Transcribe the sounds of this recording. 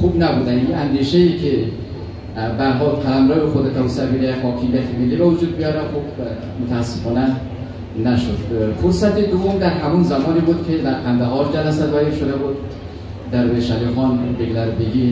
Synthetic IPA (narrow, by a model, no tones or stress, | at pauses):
xubnæbuːd̪æninænd̪iʃeiːkʰe | bææɾɦɒːlkʰælæmɾɒːvexod̪et̪ʰæɾsæbiɾæjhɒːkʰemijæt̪ʰimelːiːbevod͡ʒuːd̪̚bijɒːɾæxob | mot̪ʰæːsːefɒːnæ | næʃod̪̥foɾsæt̪ed̪ovːomd̪æɾɦæmunzæmɒːniːbuːd̪kʲʰed̪æɾpʰænd̪æɦɒːɾd͡ʒælæsæd̪væɾiɾʃod̪æbud̪ | d̪æɾbeʃælixɒːnbeɡlæɾbeɡi